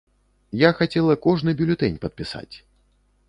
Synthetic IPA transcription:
jaxat͡sʲɛlˠɐkɔʐnɨbʲulʲʊt̪ɛnʲpɐt̪̚pʲisa̰t͡sʲ

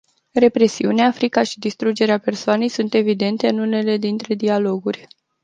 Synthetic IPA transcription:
re̞pɾe̞siuneafɾikaʃid̪ist̪ɾud͡ʒe̞ɾeape̞rsoane̞jsunt̪e̞vid̪e̞nt̪e̞ɨnune̞le̞d̪int̪ɾe̞d̪ialo̞ɡurʲ

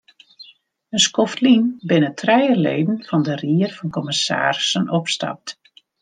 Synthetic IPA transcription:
ənskɔftlinbɪnətʰrɛjəlḛːdən̩fɑndəriərfɑnkɔmɪsa̰ːrsənɔpsta̰p̚t

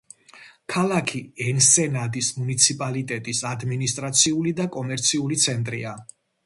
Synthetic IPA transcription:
kʰalˠakʰiɛnsɛnad̪ismunit̪sʰipʼalit̪ʼɛt̪ʼisad̪minist̪ʼɾat̪sʰiulid̪akʼɔmɛɾt̪sʰiulit̪sʰɛnt̪ʼɾḭa

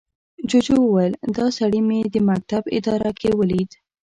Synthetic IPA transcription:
d͡ʒod͡ʒowəwajəld̪ɑsaɽimed̪əmak̚t̪abɪ̰d̪ɑɾakʰewəlid̪

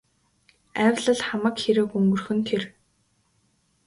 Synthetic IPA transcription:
æwʲɮə̆ɮχamə̆kxeɾɘ̆kɵŋɡɵ̆rxɵ̆nt̪ʰer

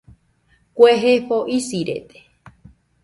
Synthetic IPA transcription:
kʷeɦefoʔisiɾḛt̪e̥

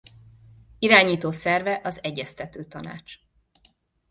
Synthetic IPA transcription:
iɾaːɲiːt̪oːsɛrvɛʔɒzɛɟːɛst̪ɛt̪øːt̪ɒna̰ːt͡ʃ

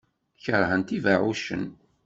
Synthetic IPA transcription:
çəɾˤhənt̪ivaʕuʃə̰n

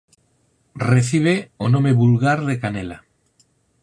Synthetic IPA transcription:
reθiβ̞eonõmeβulɣaɾðekanela

